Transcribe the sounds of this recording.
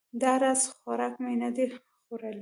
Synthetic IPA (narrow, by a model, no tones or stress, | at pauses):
d̪aɾazxaɾɑkmenad̪e | xoɾal